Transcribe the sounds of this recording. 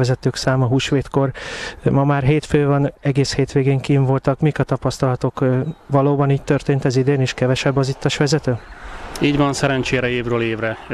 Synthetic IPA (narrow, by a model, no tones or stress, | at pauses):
ɛzɛt̪øːksaːmɒɦuːʃʋeːt̪ko̞rmɒmaːrɦeːt̪føːvɒnɛɡeːsheːt̪ʋeːɡeːŋkiːɱvo̞lt̪ɒkmikɒt̪ɒpɒst̪ɒlɒt̪o̞kʋɒloːbɒniːc̚t̪ørt̪eːnt̪ɛzid̪eːneːʃkɛvɛʃɛbːɒzit̪ːɒʃʋɛzɛt̪øːiːɟʋɒnsɛɾɛnt͡ʃeːɾɛeːvrøːleːvrɛ